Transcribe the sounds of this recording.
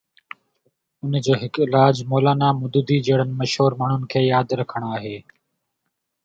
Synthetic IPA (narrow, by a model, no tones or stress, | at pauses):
ʊnd͡ʒoːɦɪkɪlaːd͡ʒmoːlaːnaːmʊd̪ud̪iːd͡ʒeːɽənməʃɦoːɾmaːɳ̤ʊnɪkʰeːjaːd̪ɾəkʰəɳ̃aːɦeː